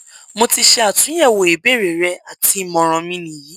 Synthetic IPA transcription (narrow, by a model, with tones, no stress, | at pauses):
mo˧ti˧ʃɛ˧a˨tũ˨˦ɛ˦˨wo˨e˨be˦˨ɾe˨ɾɛ˧˦a˨ti˨˦mɔ̃˧ɾ̃ɔ̃˧mĩ˦nĩ˨ji˨˦